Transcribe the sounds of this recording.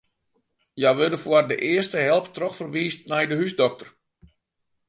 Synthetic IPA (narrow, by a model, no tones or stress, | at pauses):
jajʋødəfʊərdəʔɪərstəɦɛlˠptrɔxfərʋiːstnɛjdəɦysdɔk̚tər